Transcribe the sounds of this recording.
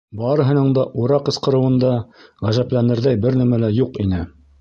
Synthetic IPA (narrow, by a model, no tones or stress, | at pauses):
bɑɾɤ̆ɦɤ̆nɤɴd̪ɑʔuɾɑqɤ̆sqɤ̆ɾɤ̆wɤ̆nd̪ɑʁæzæplænɘ̆ɾðæjbɘɾnæmælæjuqinɘ